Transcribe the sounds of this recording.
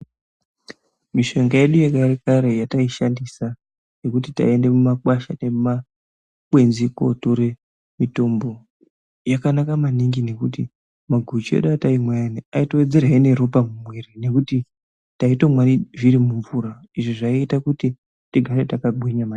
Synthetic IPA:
miʃo̞ŋɡaje̞ɗujekaɾekaɾe̞jataiʃandisa | je̞kutita̰e̞nde̞mumakwaʃane̞ma | kwe̞nziko̞̰toɾe | mito̞mbo̞ | jakanakamaniŋɡine̞kuti | maɡʱut͡ʃiḛɗataimwajaniaitoed͡ze̞raine̞ɾupamumweɾine̞kuti | taito̞mwaniʐiɾimuɱvuɾa | iʐiʐaaitakuti | tiɡʱaɾetakaɡʱwiɲama

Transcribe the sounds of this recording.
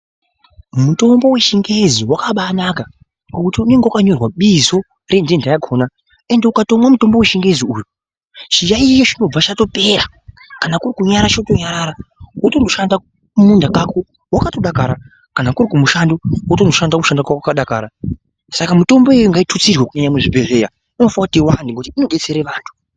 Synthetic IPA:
muto̞mbo̞we̞ʃiŋɡeziwakaɓanaka | kokutiune̞ŋɡewakaɲo̞rwaɓizo̞ | re̞ndendajakʰoːna | e̞nde̞ukato̞mwamuto̞mboweʃiŋɡeeziuːju | t͡ʃijait͡ʃot͡ʃino̞b͡vat͡ʃato̞pe̞ɾa | kanakurikuɲaɾat͡ʃoto̞ɲaɾaɾawuto̞ndo̞ʃanda | umundakako | wakatoɗakaɾa | kanakuɾikumuʃandowutondo̞ʃandakumuʃandakakakaɗaka̰ːɾa | sakamuto̞mbo̞ejoŋɡaitʰut͡sirwekuɲaɲamuʐibʱe̞ʐe̞ːja | ino̞faakutiwandiŋɡotiino̞ɗe̞t͡se̞ɾeʋaːntʰu̥

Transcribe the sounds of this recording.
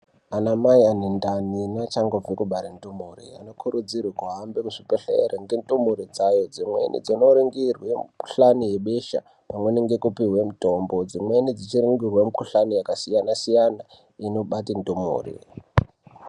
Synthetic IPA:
anamaianendaninat͡ʃaŋɡob͡vikuɓaɾendomorḭa̰no̞kʰuɾud͡zirwakuɦambemuʂipeɬḛɾeŋɡendumuɾid͡zajo̞d͡zimwḛnḭd͡zino̞ɾiŋɡirwemuku̥ɬanije̞ɓeʃa̰ | pamweneŋɡe̞kupiɦwe̞muto̞mbod͡zimwe̞nid͡zit͡ʃiɾiŋɡirwemukuɬanijakasijanasijana | ino̞ɓatindumṵːrḭ

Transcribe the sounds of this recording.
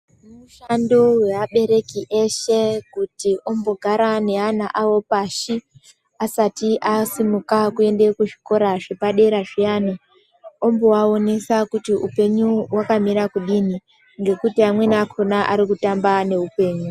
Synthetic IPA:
muʃandowe̞ʋaɓe̞ɾe̞kiʔe̞ʃe̞kutiʔo̞mbo̞ɡʱaɾane̞anaʔawo̞paːʃi | asatiʔasimukakue̞nde̞kuʐiko̞ɾaʐepaɗe̞ɾaʐiaːni | o̞mbo̞ao̞ne̞sakutiupe̞ɲuwakamiɾakuɗini | ŋɡe̞kutiamwe̞nakʰo̞naʔaɾikutambane̞upe̞ːɲu

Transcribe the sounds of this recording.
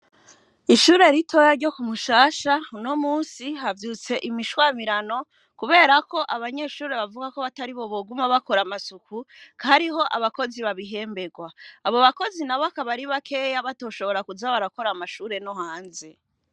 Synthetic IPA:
iʃuːɾe̞ɾitʰo̞jaɾɟo̞kumuʃaːʃauno̞muːnsiɦavjuːt͡se̞ʔimiʃwaːmiɾano̞ | kuβe̞ːɾako̞ʔaβaɲe̞ʃuːɾe̞βavuɡakoβataɾiβo̞βo̞ɡumaβako̞ɾamasukukaɾiɦo̞ʔaβako̞ziβaβiɦe̞ːmbe̞ɡwaːβo̞βako̞zinaβoakaβaɾiβakʰe̞ːjaβato̞ːʃo̞βo̞ɾakuzaβaɾako̞ɾamaʃuːɾe̞noɦaːnze

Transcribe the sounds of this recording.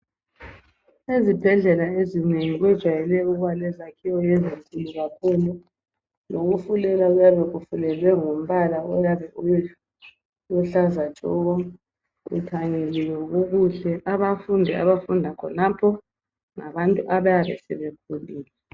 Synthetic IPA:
ezib̥ʱɛɮɛlaezineŋiɣwɛd̥ʒ̥ʱwajɛlɛuɣwalɛzakʰiwɔjɛzeŋkʼuluɣakʰuːlu | loɣufulɛlaujaβɛɣufulɛlwɛŋom̩βalaɔ̰jaβɛʔuɛ | uɬazḁt͡ʃʼɔ̰ɣɔ | ɣṵtʰaɲɛlɛjɔɣuɣuɬɛʔaβafundʱɛa̰βafundʱakʰɔnapʰɔ | ŋaβantʼuʔaβajaβɛsɛ̰βekʰuliːlɛ

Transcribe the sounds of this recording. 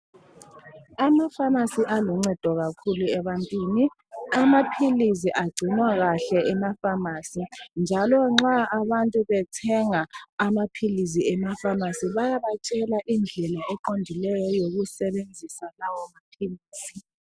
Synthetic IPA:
amafamasiʔaluŋ͡ǀɛd̥ʱɔɣakʰuluɛβantʼwiːni | amapʰilis̬iʔaɡ͡ǀʱinwaɣaɬɛʔɛmafamaːsind͡ʒʱalɔŋ͡ǁaaβantʼuβɛtʰɛŋaamapʰilis̬iɛmafamasiβajaβat͡ʃʼɛlaʔind͡ɮʱɛlaɛǃondʱilɛjɔjoɣusɛβend͡zʱisalawɔmapʰiliːsi

